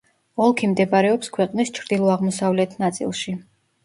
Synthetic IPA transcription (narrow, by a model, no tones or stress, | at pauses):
ɔlˠkʰimd̪ɛbaɾɛɔpskʰwɛqʼnist͡ʃʰɾd̪̥ilˠɔaʁmɔsavlɛt̪ʰnat̪sʼḭlˠʃi